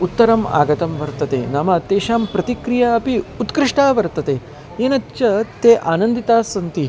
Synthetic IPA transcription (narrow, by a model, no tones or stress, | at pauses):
ut̪ːɐɾɐma̰ːɡɐt̪ɐmʋɐɾt̪ɐt̪ḛnamat̪eːɕaːmpɾɐt̪ikɾijaɐpiut̪kɾiʂʈaːʋɐɾt̪ɐt̪e | enɐtːt͡ʃɐt̪eʔaːnɐnd̪it̪aːsɐnt̪i